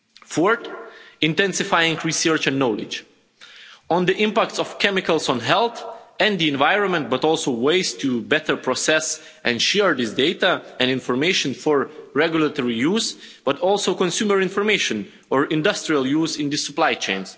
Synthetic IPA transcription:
fɔɹtɪ̃ntɛ̃nsɪfajɪ̃ŋɹisɜ˞t͡ʃɛ̃nːolɪ̰d͡ʒ | ɔ̃nd̪iʔɪ̃mpæk̚tsɔfkʰɛmɪkəlˠsɔ̃nɦɛlˠθɛ̃nd̪iɛ̃nvaɪɹɔ̃nmɛ̃nt̚bʌtɔlˠsoʊweɪztʰubɛtə˞pʰɹɔsɛs | ʔɛ̃nʃɛɹðɪsdeɪtaɛ̃nɪ̃nfɔɹmeɪʃə̃nfɔɹɹɛɡjulatɔɹijuzb̥ʌtɔlˠsoʊkɔ̃nsjuməɹɪ̃nfɔɹmeɪʃə̃n | ɔɹɪ̃ndʌstɹialˠjuːzɪ̃nd̪ɪsuplajt͡ʃḛ̃ɪ̃ns

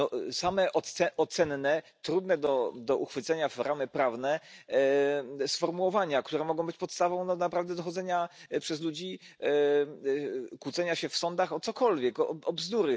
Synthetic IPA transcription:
nɔsamɛʔɔɛʔɔt̪sɛnːɛ | t̪ɾud̪nɛd̪ɔd̪ɔʔuxfɘt̪sɛɲafɾʔamɘpɾavnɛ | sfɔɾmuwɔvaɲakt̪uɾɛmɔɡɔ̃w̃bɘt͡ɕpɔt̪st̪avɔ̃w̃nɔnapɾavd̪ɛd̪ɔxɔd̪zɛɲa | pʂɛzlud͡ʑi | kwut̪sɛɲaɕɛfsɔnd̪axɔt̪sɔkɔlvʲjɛkɔɔbzd̪uɾɘ

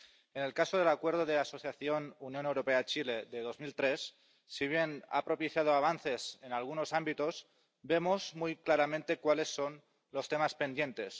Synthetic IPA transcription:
ene̞lkasoð̞e̞lakweɾð̞oð̞easo̞θjaθjonunjo̞newɾopeat͡ʃile̞ðeð̞o̞zmilt̪ɾesː | iβ̞je̞na̰pɾo̞piθjað̞oaβ̞anθe̞senalɣ̞uno̞sambit̪o̞z | be̞mozmujklaɾamẽnt̪e̞kwale̞sːo̞n | lo̞st̪e̞maspe̞nd̪je̞nt̪e̞s

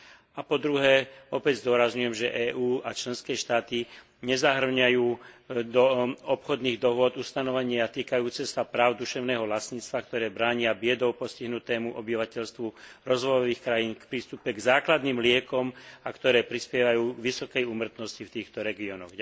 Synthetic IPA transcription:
apɔd̪ɾuɦɛːɔpɛɟzd̪ʊɔɾazɲujɛmʒɛʔɛːʔuːat͡ʃlɛnskɛːʃt̪aːt̪i | ɲɛzaɦr̩ɲajuːd̪ɔɔpxɔd̪niːɣd̪ɔɦʊɔd̪ust̪anɔʋɛɲɪat̪iːkajuːt͡sɛsapɾaːʊd̪uʃɛʊnɛːɦɔʋlast̪ɲiːt͡st̪ʋakt̪ɔɾɛːbɾaːɲɪabɪɛd̪ɔʊpɔsciɦnut̪ɛːmuʔɔbiʋacɛʎst̪ʋuɾɔzʋɔjɔʋiːxkɾajiːnkpɾiːst̪upɛɡzaːklad̪niːmlɪɛkɔmakt̪ɔɾɛːpɾispɪɛʋajuːɡʋisɔkɛjumr̩t̪nɔscift̪iːxt̪ɔɾɛɡiɔnɔɣ

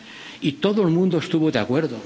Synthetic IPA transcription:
it̪o̞ðoelmũnd̪oest̪uβoðeakwe̞ɾðo

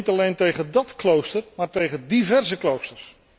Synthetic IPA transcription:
tɑlejntejχəndɑtklowstərmaːɹtejχədivɛrzəklowstərs

